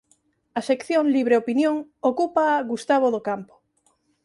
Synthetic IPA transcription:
ɐsekθjoŋliβɾeopinjoŋokupaɣust̪aβoðokampo̥

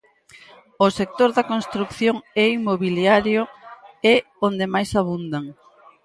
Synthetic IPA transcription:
ʊsek̚t̪oɾðɐkonst̪ɾukθjoŋɛimoβiljaɾjoe | ond̪emajsaβ̞und̪aŋ

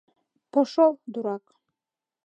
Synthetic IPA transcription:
pʰɔʂɔlˠd̪uɾakʼ

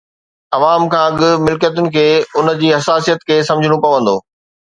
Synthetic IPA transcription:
ɐʋaːmkʰãːɐɠɪmɪlkijət̪̬ʊnɪ̆kʰeːʊn̆d͡ʑiːɦɐsaːsijət̪kʰeːs̬ɐ̃md͡ʑʱɪɽ̃opɐʋə̃n̆d̪o̰ː

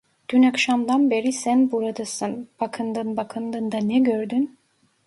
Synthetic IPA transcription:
d̪̥ynakʃamd̪anbe̞ɾisænbuɾad̪ɯsɯnb̥akʰɯnd̪ɯnbakʰɯnd̪ɯnd̪anɛɟøɾd̪yn

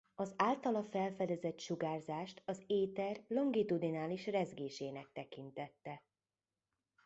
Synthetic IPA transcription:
ɒzaːlt̪ɒlɒfɛlfɛd̪ɛzɛt̪ʃuɡaːrzaːʃt̪ɒzeːt̪ɛrlo̞ŋɡit̪ud̪inaːliʃrɛzɡeːʃeːnɛk̚t̪ɛkint̪ɛt̪ːɛ

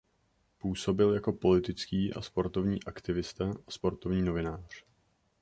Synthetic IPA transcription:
puːso̞bɪljako̞po̞lɪt̪ɪt͡skiːʔa̰spo̞ɾt̪o̞vɲḭːʔakt̪ɪvɪst̪aaspo̞ɾt̪o̞vɲiːno̞vɪnaːr̝̥

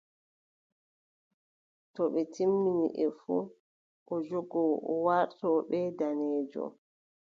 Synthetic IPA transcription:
tɔɓɛtimːiniʔɛfu | ʔɔd͡ʒɔɡɔɔwaɾtɔːɓɛdanɛːd͡ʒɔ̰

